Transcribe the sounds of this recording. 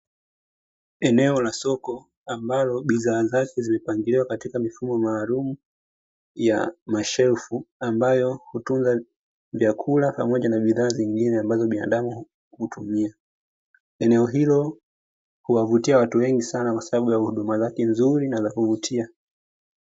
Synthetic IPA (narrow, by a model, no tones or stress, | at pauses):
ɛnɛɔlasɔkɔ | ambalɔɓiðaːzakɛzimɛpaŋɡiliwakatikamifumɔmaːlumu | ja̰maʃɛfuambajɔhutunza | vjakʰulapa̰mɔʄanaɓiðaːziŋɡinɛambazɔɓina̰ɗamu | hutʰumia | ɛnɛɔɦilɔ | huwavutiawatuwɛŋɡisanakwasaɓaɓujauhuɗumazakɛnzuɾinazakuvutʰia